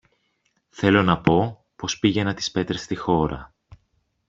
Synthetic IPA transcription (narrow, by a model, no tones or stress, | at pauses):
θe̞lo̞nɐpo̞ | po̞spiʝe̞nɐt̪i̥spe̞t̪ɾest̪ixo̞ɾɐ̰